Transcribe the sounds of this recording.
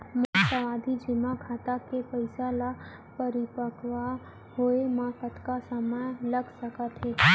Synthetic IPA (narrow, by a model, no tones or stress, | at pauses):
msəʋaːd̪ʱid͡ʒɪmakʰaːt̪akepəɪsala | pəɾɪpəkʋa | hoemaːfət̪kasəməjləɡsəkət̪ɦeː